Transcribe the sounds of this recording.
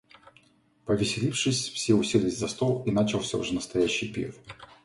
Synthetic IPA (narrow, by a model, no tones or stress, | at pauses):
pəvʲɪsʲɪlʲifʂɨsʲfsʲeʊsʲilʲɪɪzʲzɐst̪olˠinat͡ɕɪlˠsʲəʊ̰ʐɛnəst̪ɐjæɕːɪjpʲḭx